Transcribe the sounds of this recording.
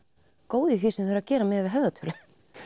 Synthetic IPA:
koːwðɪθisɛmθeɾacɛːɾamɛːðvɪðɦœvðat̪ʰʏɾlɪ

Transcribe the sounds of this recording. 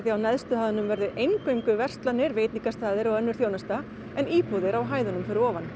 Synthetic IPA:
θiawnɛðst̪ʏhaðʏnʏmvɛɾðʏʔejŋkœɥjŋkʏvɛr̥st̪lanːɪɾveːjt̪niŋkast̪aːðɪɾɔɣœnːʏɾ̥θjoːwnast̪a | ɛniːpɔðɪɾawɦaːjðʏnʏmfɪɾɪɾɔːvan

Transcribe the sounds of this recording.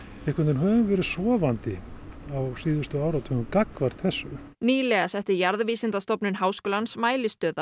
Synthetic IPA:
ɛhkʰvʏnɪnɦœːvʏmvɛːɾɪsɔːvant̪ɪawsiːðʏst̪ʏaːwɾawt̪hœvʏmkakvaɾ̥t̪θɛsːʏ | niːlɛɣasɛht̪ɪɾjaɾðviːsɪnt̪ast̪ɔpnʏnɦaːwskɔːlansmaːjlɪst̪œːða

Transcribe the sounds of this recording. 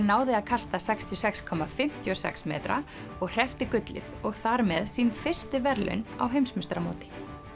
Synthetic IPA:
naːwðɪaðkʰast̪asɛkst̪ʰjɔsɛkskʰɔmːafɪm̥t̪ʰjɔsɛ̰ksmɛ̰ːt̪ɾa̰ | ɔɣr̥ɛft̪ɪkʏt̪lɪ̰ðɔɣθaɾmɛðsiːnfɪr̥st̪ʏvɛɾlʏ̰na̰wɦejmsmɪst̪ɾamo̰ːt̪ɪ̥

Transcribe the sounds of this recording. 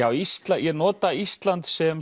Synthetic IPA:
awist̪lajɛnɔːt̪aist̪lant̪sɛm

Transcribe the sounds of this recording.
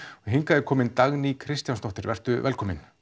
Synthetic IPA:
ɔɦɪŋkaðɛɾkʰɔːmɪnt̪aɣnikʰɾɪst̪janst̪ɔht̪ɪɾvɛr̥t̪ʏvɛlkʰɔːmɪ̰n

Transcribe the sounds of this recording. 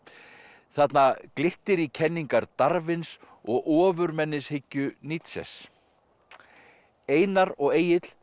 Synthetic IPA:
θat̪naklɪht̪ɪɾicʰɛnːiŋkaɾt̪aɾvɪns | ɔɣʔɔːvʏɾmɛnːɪshɪcːʏnit̪sɛ̰s | eːjnaɾɔɣeːjɪt̪l̥

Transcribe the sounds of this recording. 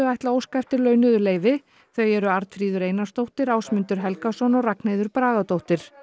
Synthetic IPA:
ʏajht̪laoːwskajft̪ɪɾlœːɥnʏðʏleːjvɪ | θœɥɛɾʏaɾt̪fɾiːðʏɾeːjnḁst̪owht̪ɪɾaːwsmʏnt̪ʏɾ̥ɦɛlkasɔnɔraknejðʏɾpɾaːɣat̪owht̪ɪɾ̥

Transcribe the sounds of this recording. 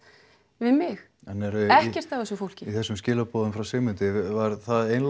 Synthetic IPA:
vɪðmɪx | anːɛɾʏɛhcɛr̥t̪θawvɛsʏfowl̥cɪiθɛsːʏmscɪːlapɔːðʏmfɾawsɪːmʏnt̪ɪvaɾθaðejnl

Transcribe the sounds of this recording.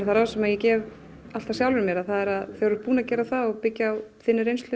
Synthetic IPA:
θaɾasɛmaðjɛcɛːv | al̥t̪asjawlvɪɾmjɛɾaðθaðɛɾaðθœɾʏɾpuːnacɛːɾaθaðɔɣpɪcːjawθɪnːɪɾejnst̪lʏ

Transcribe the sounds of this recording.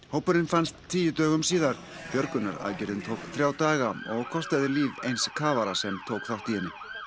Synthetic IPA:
howpʏɾɪnfanst̪ʰːiːjɪt̪œːɣʏmsiːðaɾ̥ | pjœɾkʏnaɾa̰ðcɛɾðɪnt̪ʰowkθɾjaːwt̪aːɣaɔɣkʰɔst̪aðɪliːvejnskʰaːvaɾasɛmt̪ʰowkθawht̪ihɛnːɪ

